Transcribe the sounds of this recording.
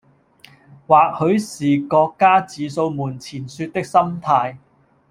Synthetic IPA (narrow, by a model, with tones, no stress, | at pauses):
waː˨k̚hɵ˨˧ɥsiː˨˩kɔː˧kːaː˥t͡siː˨so˧wmuː˨˩nt͡sʰiː˨˩nsyː˧t̚t̪ɪ˥k̚sɐ˥mt̪ʰaː˧j